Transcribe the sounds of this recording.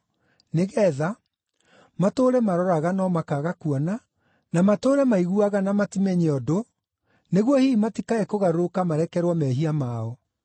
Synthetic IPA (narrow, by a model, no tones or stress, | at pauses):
neɣɛða | matoɾɛmaɾɔɾaɣanɔmakaɣakuɔna | namatoːɾɛmaiɣuaɣanamatimɛɲɛɔdo | neɣwɔhimatikaɛkoɣaɾokamaɾɛkɛɾwɔmɛɦiamaɔ